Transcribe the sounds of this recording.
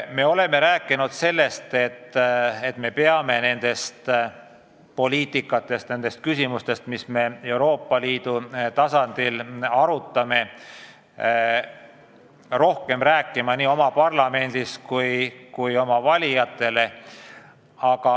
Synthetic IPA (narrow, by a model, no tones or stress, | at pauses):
me̞o̞le̞me̞ɾæːkːˑinud̪se̞lːe̞st̪e̞t̪ːe̞t̪ːme̞pe̞ɑme̞ne̞nd̪̥e̞st̪ | po̞lʲiːt̪ˑikːˑɑt̪ːˑe̞st̪ne̞nd̪e̞st̪̚kysimust̪e̞st̪misme̞e̞uɾo̞ːpˑːɑliːd̪̥ut̪ɑsɑnd̪̥ilɑɾut̪ˑːɑme̞ | ro̞hke̞mræːkˑːimɑniːo̞mɑpɑrlɑme̞nd̪iskujkujo̞mɑvɑlʲijɑt̪ːˑe̞le̞ | ɑkɑ